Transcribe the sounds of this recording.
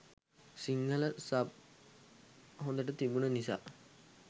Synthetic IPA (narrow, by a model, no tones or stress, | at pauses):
siŋːələsəb̚ | ɦond̪əʈət̪ibunənisa̰ː